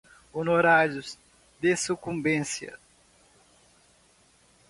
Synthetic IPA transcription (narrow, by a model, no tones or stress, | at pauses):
onoɾaɾjʊz | d̪esukũmbẽsjɐ̰